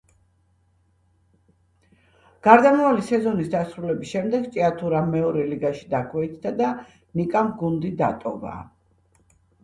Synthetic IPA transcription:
ɡ̥aɾd̪amavalisɛzɔnisd̪asɾulɛbisʃɛmd̪ɛɡt͡ʃʼiat̪ʰuɾamɛɔɾɛliɡaʃi̥d̪akʰwɛit̪sʰd̪ad̪a | nikʼamɡund̪id̪a̰t̪ʼɔva̰

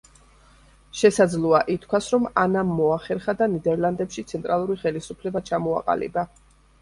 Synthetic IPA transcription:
ʃɛsad̪zlˠɔaʔit̪ʰkʰwasɾɔmanamːɔaχɛɾχad̪anid̪ɛɾlˠand̪ɛpʃit̪sʰɛnt̪ʼɾalˠuɾiχɛlisupʰlɛbat͡ʃʰamɔa̰qʼa̰lḭba

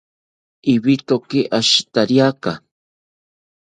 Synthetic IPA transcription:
iβit̪okɪʔaʃt̪aɾjaka

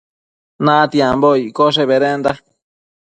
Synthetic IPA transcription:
nãt̪iãmboikos̬eβeɾend̪a

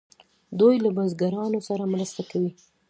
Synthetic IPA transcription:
d̪ujlabazɡaɾɑnosaɾamɾəst̪akawi

